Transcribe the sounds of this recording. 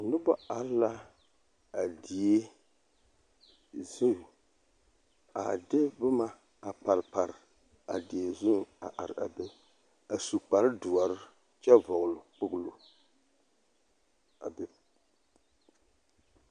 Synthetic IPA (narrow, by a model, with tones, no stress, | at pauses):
nʊ˦bɔ˦a˨ɾla˦ | a˨di˨e˦ | zu˦˨ | a̰˨dɪ˦bɨ˦ma˨ | a˨pa˨ɾpa˨ɾɪ˨ | a˨di˨e˨zʊ˦˨a̰˨ʔa˨ɾɨ˨a̰˨be˦ | a˨su˨k͡pa˨ɾɨ˦dʊ˨a˨ɾɪ˦ | t͡ʃɛ˦vɔ˨ɣlʊ˨k͡pʊ˦ɡlo˨ | a˨be˦